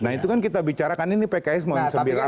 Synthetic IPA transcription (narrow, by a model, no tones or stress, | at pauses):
naɦit̪ukankit̪abit͡ʃaɾakaninipekaɛsmansəbiɾa